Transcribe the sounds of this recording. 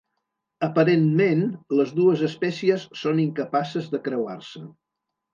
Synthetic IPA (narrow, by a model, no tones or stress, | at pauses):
əpəɾenmenləzðuəzəspɛsiəsːoniŋkəpasəzðəkɾəwa̰rsə